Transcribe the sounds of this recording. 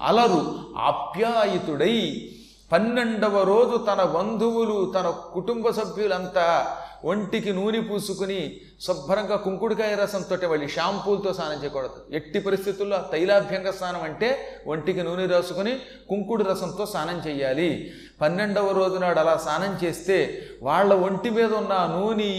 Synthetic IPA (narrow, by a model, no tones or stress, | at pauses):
ɐ̰lɐɾua̰ːbʱjaːjit̪uɽɐj | pɐnːeɳɖɐʋɐɾo̞ːd͡ʒut̪ɐnɐʋɐnd̪ʱuwulut̪ɐnɐkuʈumbɐsɐbʱjulɐnt̪aʔoɳʈikinuːnipuːsukuni | sɐbʱɐɾɐŋɡaːkuŋkuɽukaːjɐɾɐsɐnt̪o̞ːʈimɐɭːiʃaːmpuːlt̪o̞ːsaːnɐɲt͡ʃɛːjɐkɔːɽɐd̪ueʈːipɐɾist̪ʰit̪ulːoːt̪ɐjlaːbʱjɐŋɡɐst̪ʰaːnɐmɐɳʈe̞ːʔoɳʈikinuːniɾaːsukuni | kuŋkuɽuɾɐsɐnt̪o̞ːsaːnɐɲt͡ʃɛːjːaːli | pɐnːeɳɖɐʋɐɾo̞ːd͡ʒunaːɽɐlaːsaːnɐmt͡ʃe̞ːst̪e̞ː | ʋaːɭːɐʋoɳʈimiːd̪ɐunːaːnuːni